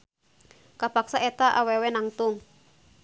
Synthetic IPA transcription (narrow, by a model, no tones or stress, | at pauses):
kapaksaʔɛt̪aʔawɛwɛnaŋt̪ʊŋ